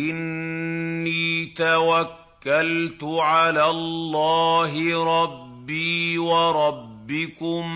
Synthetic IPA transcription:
ʔɪnː | iːt̪awakːalt̪ʊʕalaːlːaːɦɪɾˤɑbːiːwɑɾˤɑbːɪkʊm

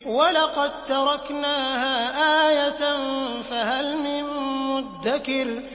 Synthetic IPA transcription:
walɑqɑd̪̚t̪ɑɾˤɑknaːhaːʔaːjat̪nfahalmɪmːʊd̪ːakɪɾ

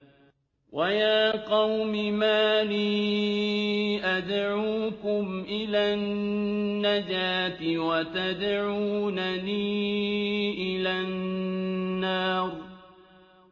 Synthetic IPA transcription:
wajaːqɑwmɪmaːliː | ʔad̪ʕuːkʊmʔɪlaːnː | ad͡ʒaːt̪ɪwat̪ad̪ʕuːnaliː | ʔɪlanː | ɑːɾˤ

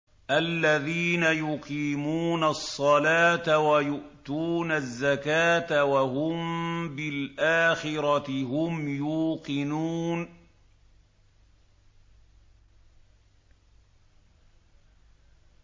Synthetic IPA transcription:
ʔalːaðiːnajʊqiːmuːnasˤːɑlaːt̪awajʊʔt̪uːnazːakaːt̪awaɦʊmbɪlʔaːxɪɾɑt̪ɦʊmjuːqɪnuːn

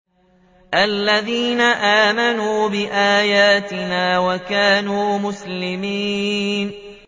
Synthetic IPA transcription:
ʔalːaðiːnaʔaːmanuːbɪʔaːjaːt̪ɪnaːwakaːnuːmʊslɪmiːn

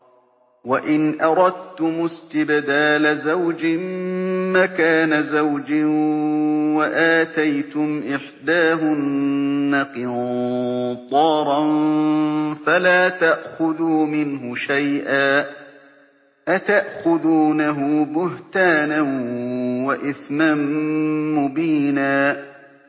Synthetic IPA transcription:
waʔɪnʔɑɾˤɑd̪̚t̪ʊmʊst̪ɪbd̪aːlazawd͡ʒɪmmakaːnazawd͡ʒɪ | waʔaːt̪ajt̪ʊmʔɪħd̪aːɦʊnː | aqɨn | t̪ˤɑːɾˤɑn | falaːt̪aʔxʊðuːmɪnɦʊʃajʔaː | ʔat̪aʔxʊðuːnaɦʊbʊht̪aːnanwaʔɪθmamː | ʊbiːnaː

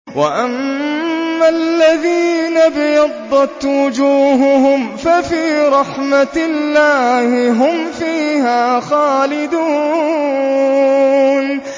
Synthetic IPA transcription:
wa̰ʔamː | alːaðiːnabɪjɑd̪ˤːɑt̪wʊd͡ʒuːɦʊhʊmfafiːɾˤɑħmalːaːhɪɦʊmfiːhaːxaːlɪd̪uː | n

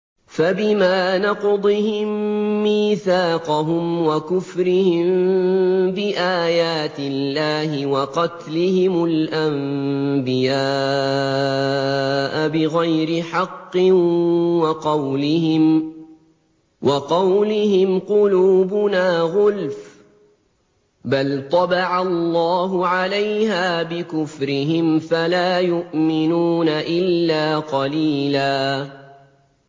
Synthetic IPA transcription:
fabɪmaːnɑqd̪ˤɨhɪmːiːθaːqɑɦʊmwakʊfɾɪhɪmm | bɪʔaːjaːt̪ɪlːaːɦɪwɑqɑt̪lɪhɪmʊlʔambɪjaː | ʔabɪɣajɾɪħɑqːɪwɑqɑwlɪhɪm | wɑqɑwlɪhɪmqʊluːbʊnaːɣʊlf | balt̪ˤɑbɑʕallːɑːɦʊʕalajhaːbɪkʊfɾɪɦɪmfalaːjʊʔmɪnuːnaʔɪlːaːqɑliːlaː

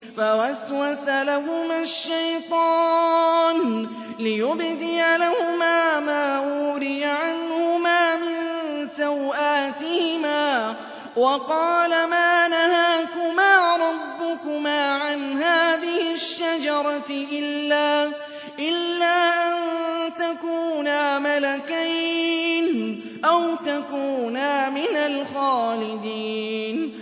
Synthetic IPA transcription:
fawaswasalahʊmaʃːajt̪ˤɑːn | lɪjʊbd̪ɪjalahʊmaːmaːʔuːɾɪjaʕanhʊmaːmɪnsawʔaːt̪ɪhɪmaː | wɑqɑːlamaːnahaːkʊmaːɾˤɑbːʊkʊmaːʕanɦaːðɪhɪʃːad͡ʒɑɾˤɑʔɪlːaː | ʔɪlːaːʔant̪akuːnaːmalakajn | ʔawt̪akuːnaːmɪnalxaːlɪd̪iːn

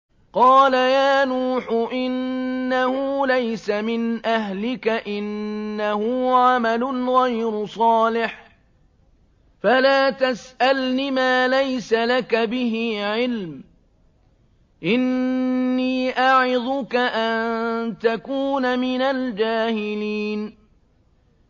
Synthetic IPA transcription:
qɑːlajaːnuːħʊʔɪnːahʊlajsamɪnʔaɦlɪkaʔɪnːahʊːʕamalʊnɣajɾʊsˤɑːlɪħ | falaːt̪asʔalnɪmaːlajsalakabɪɦiːʕɪlm | ʔɪnː | iːʔaʕɪd̪ʊkaʔant̪akuːnamɪnald͡ʒaːhɪliːn

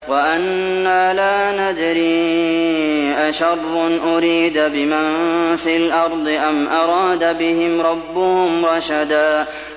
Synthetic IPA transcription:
waʔanːaːlaːnad̪ɾiː | ʔaʃɑrˤːʊnʔʊɾiːd̪bɪmanfiːlʔɑɾˤd̪ˤɨʔanʔɑɾˤɑːd̪abɪhɪmɾˤɑbːʊhʊmɾɑʃad̪aː

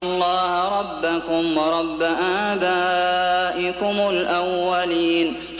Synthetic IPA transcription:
lˤːɑːhɾˤɑbːakʊmwɑɾˤɑbːaʔaːba | ʔɪkʊmʊlʔawːaliːn

